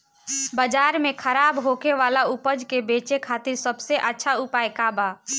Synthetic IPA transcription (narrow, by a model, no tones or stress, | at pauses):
bəd͡ʒaːɾmẽkʰəɾaːbɦokeʋaːlaupəd͡ʒkebeːt͡ʃekʰaːt̪ɪɾsəbseʔətːʃʰaupaːjkaba